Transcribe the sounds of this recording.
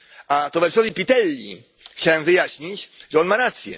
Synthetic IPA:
at̪ɔvɛɾsɔvʲipʲit̪ɛlʲːḭ | xt͡ɕawɛmvɘjaɕɲit͡ɕʐɛɔnmaɾat̪sʲjɛ̰

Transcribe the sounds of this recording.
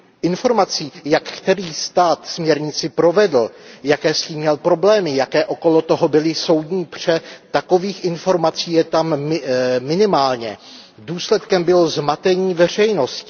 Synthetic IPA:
ʔɪnfo̞ɾmat͡siːjakkt̪ɛɾiːst̪aːt̪smɲɛɾɲɪt͡sɪpɾo̞vɛdl̩jakɛːsciːmɲɛlpɾo̞blɛːmɪjakɛːʔo̞ko̞lo̞t̪o̞ɦobɪlɪso̞wd̪ɲiːpr̝̥ɛt̪ako̞viːxʔɪnfo̞ɾmat͡siːjɛt̪amː | ɪnɪmaːlɲɛ | duːslɛt̪kɛmbɪlozmat̪ɛɲiːvɛr̝ɛjno̞scɪ

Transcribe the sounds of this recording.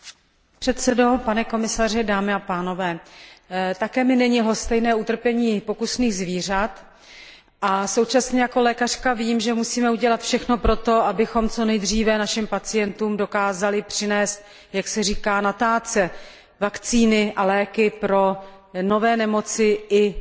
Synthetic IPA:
pr̥ɛt̪sɛdo̞panɛko̞mɪsar̝ɪdaːmɪapaːno̞vɛː | t̪akɛːmɪnɛɲɪɦlo̞st̪ɛjnɛːut̪r̩pjɛɲiːpo̞kusniːɣzviːr̝at̪ | ʔaso̞wt͡ʃasɲɛjako̞lɛːkar̥kaviːmʒɛmusiːmɛuɟɛlat̪fʃɛxno̞pɾo̞t̪o̞ʔabɪxo̞mt͡so̞nɛjd̪r̝iːvɛnaʃɪmpat͡sɪjɛnt̪uːmdo̞kaːzalɪpr̝̥ɪnɛːst̪̚ | jaksɛr̝iːkaːnat̪aːt͡sɛ | vakt͡siːnɪʔalɛːkɪpɾo̞no̞vɛːnɛmo̞t͡sɪʔɪ

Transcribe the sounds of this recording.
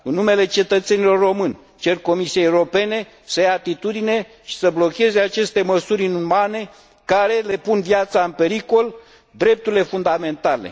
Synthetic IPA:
ɨnːume̞le̞t͡ʃe̞t̪ət̪se̞nilo̞rːo̞mɨnʲ | t͡ʃe̞rko̞misiejewɾo̞pe̞ne̞ | səjaːt̪it̪ud̪ine̞ | ʃi̥səblo̞kʲe̞ze̞at͡ʃe̞st̪e̞məsuɾʲɨnumane̞ | kaɾe̞le̞punvjat̪saɨnpe̞ɾiko̞l | d̪ɾe̞p̚t̪uɾile̞fund̪ame̞nt̪ale̞̰

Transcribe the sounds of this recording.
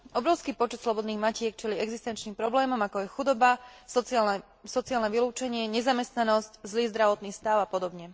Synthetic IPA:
ʔɔbɾɔʊskiːpɔt͡ʃɛt̪slɔbɔd̪niːɣmacɪɛk̚t͡ʃɛliɛɡzist̪ɛnt͡ʃniːmpɾɔblɛːmɔmakɔjɛxud̪ɔbas | sɔt͡siaːlnɛʋiluːt͡ʃɛɲɪɛɲɛzamɛst̪nanɔsczliːzd̪ɾaʋɔt̪niːst̪aʊapɔd̪ɔbɲɛ

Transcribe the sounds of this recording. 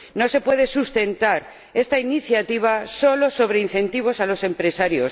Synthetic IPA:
no̞se̞pwe̞ðe̞sust̪e̞nt̪aɾ | e̞st̪ainiθjat̪iβ̞aso̞lo̞so̞βɾeinθẽ̞nt̪iβ̞o̞salo̞se̞mpɾe̞saɾjo̞s

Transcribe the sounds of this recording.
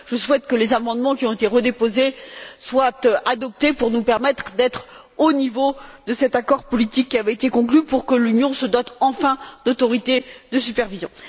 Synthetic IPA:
ʒ̥əswɛt̪kəlezamɑ̃d̪mɑ̃kʲiɔ̃t̪et̪eʁəd̪epozeswat̪ad̪ɔp̚t̪epuʁnupɛʁmɛt̪χd̪ɛt̪χ | onivod̪əsɛt̪akɔʁpɔlit̪ikʲːiavɛet̪ekɔ̃klypuʁkəlynjɔ̃səd̪ɔt̪ɑ̃fɛ̃d̪ot̪ɔʁit̪ed̪əsypɛʁvizjɔ̃

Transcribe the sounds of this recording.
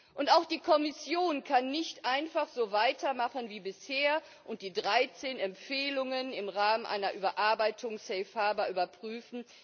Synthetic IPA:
ʔʊntaʊxd̥iːkʰɔmɪsjoːnkʰanːɪçtʔaɪnfaχz̥oːvaɪtʰɐmaχənviːbɪsheːɐ | ʔʊnt̚d̥iːdʁaɪt͡seːnɛmfeːlʊŋənɪmʁaːmənʔa̰ɪnɐʔyːbɐʔaɐbaɪtʰʊŋsɛɪfhaːbɐʔyːbɐpʁ̥yːfn̩

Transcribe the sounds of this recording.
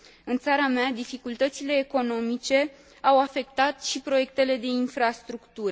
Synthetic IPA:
ɨnt̪saɾamead̪ifikult̪ət̪sile̞ːko̞no̞mit͡ʃe̞ | awafe̞k̚t̪at̪ʃipɾo̞je̞k̚t̪e̞le̞d̪e̞infɾast̪ɾukt̪uɾ

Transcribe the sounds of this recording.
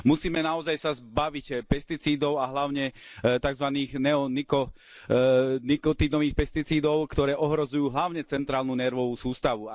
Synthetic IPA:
musiːmɛnaɔzajsazbaʋicpɛst̪it͡siːd̪ɔʊaɦlaʊɲɛt̪aɡzʋaniːɣnɛɔnikɔ | nikɔt̪id̪ɔʋiːxpɛst̪it͡siːd̪ɔʊkt̪ɔɾɛːʔɔɦɾɔzujuːɦlaʊɲɛt͡sɛnt̪ɾaːlnunɛɾʋɔʋusuːst̪aʋu

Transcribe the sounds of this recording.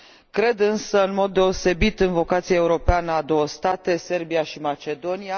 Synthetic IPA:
kɾe̞d̪ɨnsəɨnmo̞d̪ːe̞o̞se̞bit̪ɨnvo̞kat̪siaeuɾo̞peanəad̪o̞wəst̪at̪e̞se̞rbijaʃimat͡ʃe̞d̪o̞nia

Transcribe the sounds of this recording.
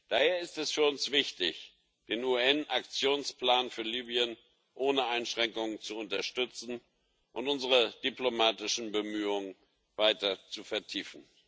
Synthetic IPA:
d̥aːheːɐɪstɛsfyːɐʊnsv̥ɪçtɪç | d̥eːnuːɛnʔak̚t͡sjoːnsplaːnfyːɐliːbiən | ʔoːnəʔaɪnʃʁ̥ɛŋkʊŋənt͡suʊntɐʃtʏt͡sn̩ | ʔʊntʊnzəʁəd̥iplomaːtɪʃn̩bəmyːʊŋən | vaɪtɐt͡sufɛɐtʰiːfn̩

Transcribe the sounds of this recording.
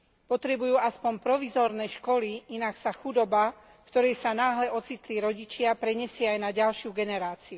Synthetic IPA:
pɔt̪ɾɛbujuːaspɔmpɾɔʋizɔːɾnɛʃkɔliinaksaxud̪ɔba | fkt̪ɔɾɛjsanaːɦlɛʔɔt͡sit̪liɾɔɟit͡ʃɪapɾɛɲɛsɪaajnaɟalʃɪuɡɛnɛɾaːt͡siu

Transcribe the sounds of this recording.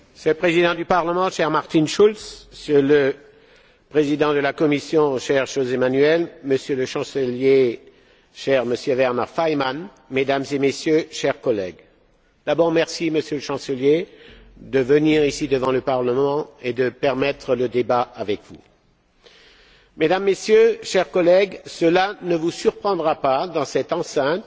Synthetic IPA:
sɛlpχezid̪ɑ̃d̪ypaʁləmɑ̃ʃɛʁmaʁt̪inʃulssələ | pχezid̪ɑ̃d̪əlakɔmisjɔ̃ʃɛʁʃozemanyɛlməsjøləʃɑ̃səlje | ʃɛʁməsjøvɛʁnaʁfajman | med̪amzemesjøʃɛʁkɔlɛɡ | d̪̥abɔʁmɛʁsiməsjøləʃɑ̃səlje | d̪əvəniʁisid̪əvɑ̃ləpaʁləmɑ̃ed̪əpɛʁmɛt̪χələd̪ebaavɛkvu | med̪amːesjøʃɛʁkɔlɛɡsəlanəvusyʁpχɑ̃d̪ʁapad̪ɑ̃sɛt̪ɑ̃sɛ̃t̪

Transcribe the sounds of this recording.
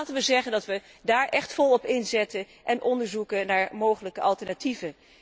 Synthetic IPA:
tənʋəzɛχəndɑtʋə | daːɹʔɛχtfɔlˠɔpɪnzɛtə | ʔɛnʔɔndəɹzukənaːɹmowχələkəʔɑlˠtɛɹnativə

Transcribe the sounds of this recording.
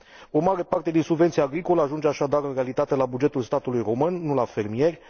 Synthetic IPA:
o̞maɾe̞part̪e̞d̪insubve̞nt̪siaːɡɾiko̞ləaʒund͡ʒeaʃad̪aɾɨnre̞alit̪at̪e̞labud͡ʒe̞t̪ulst̪at̪ulujro̞mɨnːulafe̞rmije̞rʲ

